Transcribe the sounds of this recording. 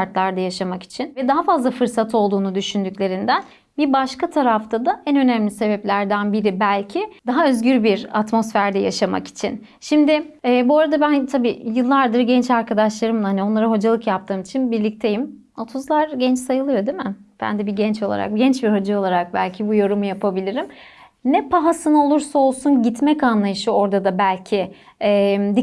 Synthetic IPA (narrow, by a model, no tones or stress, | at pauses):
aɾt̪lˠaɾd̪ajaʃamaki̥t͡ʃʰinvɛd̪aɦafazlˠafɯɾsat̪ʰo̞lˠd̪uːnud̪yʃynd̪yclʲe̞ɾind̪æn | bibaʃkat̪ʰaɾaft̪ʰad̪aɛnø̞næmlʲise̞bɛplʲæɾd̪ænbiɾibælʲcʰɪd̪aɦaø̞zɟyɾbiɾa̰t̪mo̞sfæɾd̪ɛja̰ʃama̰ki̥t͡ʃʰḭn | ʃimd̪ɪɛːbuaɾad̪abænt̪ʰabiːjɯlˠːaɾd̪ɯɾɟɛnt͡ʃaɾkʰad̪aʃlˠaɾɯmhanio̞nlˠaɾaɦo̞d͡ʒalˠɯkjap̚t̪ʰɯːmit͡ʃʰinbiɾlʲic̚t̪ʰe̞jim | ot̪ʰuzlˠaɾɟɛnt͡ʃsajɯlˠɯjo̞d̪imɪ | bæ̰nd̪ɛbiɟɛnt͡ʃo̞lˠa̰ɾa̰k̚ɟɛnt͡ʃbiɾho̞d͡ʒao̞lˠaɾak̚bælʲcʰibujo̞ɾumujapʰabilʲiɾim | nɛpaɦasɯno̞lˠuɾsao̞lˠsunɟit̪mɛcanlˠajɯʃɯo̞ɾd̪ad̪abælʲcʰɪ | ɛmd̪i